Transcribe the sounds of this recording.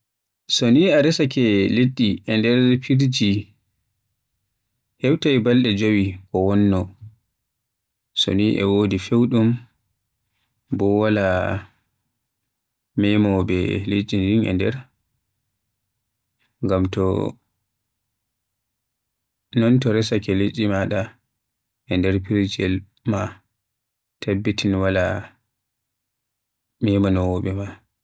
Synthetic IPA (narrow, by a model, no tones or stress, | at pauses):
soniaɾɛsakɛleɗːiʔɛndɛɾpʰiɾd͡ʒi | hɛwtajbalɗɛd͡ʒowikɔwɔnːɔ | so̰niʔɛ̰woːdifewɗum | bɔwala | mɛmɔbɛ̰let͡ʃʼːindiŋɛ̰ndɛɾ | ŋɡamtɔ | nɔntɔɾɛsakɛlet͡ʃʼːimaɗa | ʔɛndɛɾpiɾd͡ʒiɛl | ma | tʰabːitʰinwala | mɛmanɔwɔɓɛma